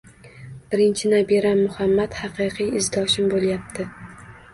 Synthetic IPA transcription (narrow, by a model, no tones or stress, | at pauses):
b̥ɪɾɪnt͡ʃʰɪnabiɾamːʊhamːat̪hɑqʰɨjqʰɨjɪzɡʲɒʃɪmbolˠjap̚t̪ʰɪ